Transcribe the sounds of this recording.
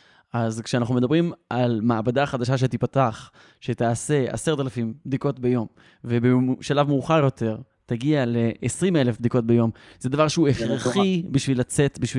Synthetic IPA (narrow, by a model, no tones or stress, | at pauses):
ʔazkʃeanaχnumed̪abʁimʔalmaːbad̪aχad̪aʃ̬aʃ̬etipataχ | ʃe̞t̪aːse̞a̰seʁtalafimbd̪iko̞tbejo̞m | vebeʃalavmuːχaʁjo̞t̪ʰe̞ʁ | taɡiale̞ʔːsʁimelefbd̪iko̞t̚bejo̞m | zed̪avaʁʃeueχʁeχibiʃvilat͡se̞t̪biʃvi